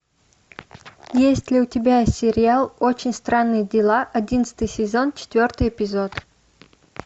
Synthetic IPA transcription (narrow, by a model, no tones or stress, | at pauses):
jesʲtʲlʲɪʊtʲɪbʲajesʲɪɾʲɪalˠot͡ɕɪnʲst̪ɾanːɨjədʲɪlˠaʔɐdʲinət̪sɨ̥t̪ɨjsʲɪzo̞nt͡ɕɪ̥t̪vʲo̞rt̪ɨjɪpʲɪzot̪